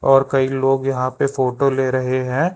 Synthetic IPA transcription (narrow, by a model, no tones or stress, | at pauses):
ɔːɾkɐiloːɡjɐɦãpefoːʈoleːɾɐɦeɦɛ̃ː